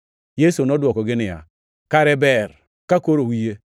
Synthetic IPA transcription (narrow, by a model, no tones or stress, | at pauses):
jesonoduokoɡenija̰ | kaɾebeɾ | kakoɾowije